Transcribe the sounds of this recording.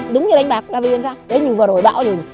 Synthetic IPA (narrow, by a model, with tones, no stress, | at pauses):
ɗʊ˨˦wŋ͡mɲɨ˧˨a˨˧jŋ̟ɓaː˨˩k̚ɗaː˧vi˧znsaː˧wɗe˨˦ɲi˨˩əvəː˨˩zo˨˩jɓa̰ː˧˨wzu˨˩ŋ